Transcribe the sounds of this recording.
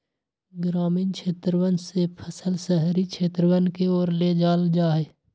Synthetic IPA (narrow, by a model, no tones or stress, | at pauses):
ɡɾaːmiːnkʃʰeːt̪ɾəwənsepʰəsəlsəɦɾikʃʰeːt̪ɾəwənkeoːɾled͡ʒaːld͡ʒaːɦeː